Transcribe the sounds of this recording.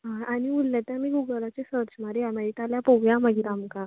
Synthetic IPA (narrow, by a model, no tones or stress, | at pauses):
ɦãañiulːjãt̪jãmiːɡuɡəlat͡ɕesəɾt͡ɕmaɾejamait̪aljapoʋjaməɡiɾãmka